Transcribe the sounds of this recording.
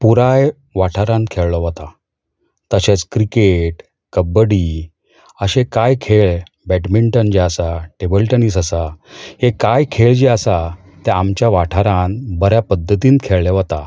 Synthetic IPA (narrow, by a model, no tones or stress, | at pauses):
puɾaj | ʋaʈʰaɾãnkʰeɭlɔʋət̪a | t̪əɕet͡skɾikeʈ | kəbəɽi | əɕẽkajkʰeɭ | bæʈmiɳʈənd͡ʑiəsaʈebəlʈəniːsəsahekajkʰeɭd͡ʑeəsa | t̪ɛamt͡ɕjaʋaʈʰaɾãnbʱəɾjapəd̪ʱːət̪iːnkʰeɭleʋət̪a